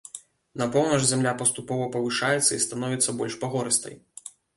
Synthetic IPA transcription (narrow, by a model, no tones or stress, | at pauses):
napɔwnɐʐzʲamlʲapɐst̪upɔvɐpɐvɨʂajɛt̪sːɐist̪anɔvʲit̪sːɐbɔlʲʂpaɣɔɾɨst̪ɐ̰j